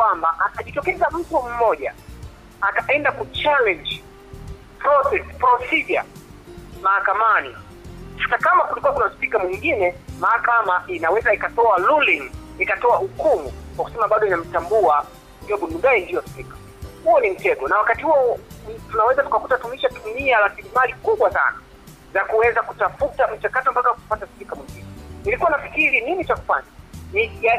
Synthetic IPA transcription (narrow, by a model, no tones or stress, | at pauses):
kwambaʔataʄitɔkɛzam̩tum̩mɔʄa | ataʔɛndakut͡ʃalɛ̃nd͡ʒ | pɾɔsɛspɾɔsiʄa̰ | mahakamani | hatakamakulikuwakunaspikamwiŋɡinɛmahakamaʔinawɛzaikatɔaluliŋ | ikatɔahukumukwakusɛmaɓaɗɔinam̩tambua | ndijɔɓunundaindiɔspikḁ | huɔnim̩tɛdɔnawakatihuɔtunawɛzatu̥kakutatumiʃatumiaɾasilimalikuɓwasa̰na̰ | zakuwɛzakutafutam̩t͡ʃakatɔm̩pakawkupataspikamwiŋɡinɛnilikuwanafikiɾininit͡ʃaku̥faɲanijan